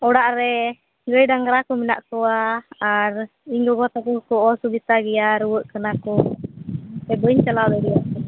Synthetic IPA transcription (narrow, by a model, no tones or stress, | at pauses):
ɔɽaʔɾɛ | ɡəjɖaŋɡɾakɔmina̰ʔkɔwaː | ɾ | iŋɡɔɡɔt̪akɔkɔʔɔsubit̪aɡɛjaɾuwəʔkənakɔ | t̪ɛbəɲt͡ʃalad̪ɛɖijakɔ